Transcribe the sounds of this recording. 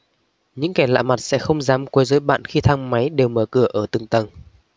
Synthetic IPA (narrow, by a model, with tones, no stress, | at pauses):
ɲɨ̰˧˥ŋkɛ˧˩la̰ː˧˨ma˨˩t̚sɛ̰˧˥xə˧wŋ͡mzaː˨˦mkwə˨˦jzəː˨˦jɓa̰ː˧˨nxi˧t̪ʰaː˧ŋma˨˦jɗe˨˩wməː˧˩kɨ˧˩əʔəː˧˩t̪ɨ˨˩ŋt̪ə˨˩ŋ